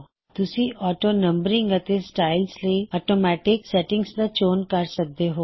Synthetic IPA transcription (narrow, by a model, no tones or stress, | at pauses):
t̪ʊsiʔɔːʈonɐ̃mbɾɪ̃ŋɡɐt̪esʈaːɪlsleɔːʈoːmɛːʈɪksɛːʈɪ̃ŋɡsd̪at͡ʃoːnkɐɾsɐk̚d̪eɦoː